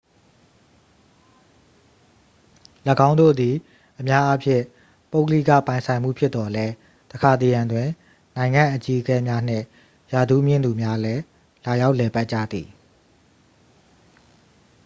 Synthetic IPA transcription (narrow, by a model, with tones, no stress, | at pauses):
ləɡã˦ʊ̃ndo̰˦˨d̪i˨ | ʔəmja˦ʔa˦pʰjɪ̰̃˦˨ | po˦ʊkəlḭ˦˨ka̰˦˨pã˨ɪ̃sʰã˨ɪ̃m̥ṵ˦˨pʰjɪ˦t̪t̪ɔ˨lɛ˦ | təkʰa˨t̪e˨jã˨ndwɪ̃˨ | nã˨ɪ̃ŋã˦˨ʔət͡ɕi˦ʔəkɛ˦mja˦n̥ɪ̰̃˦˨ | ja˨du˦mjɪ̃˦˨nd̪u˨mja˦lɛ˦ | la˨ja˦ʊʔlɛ˨pa˦ʔ̚t͡ɕa̰˦˨d̪i˨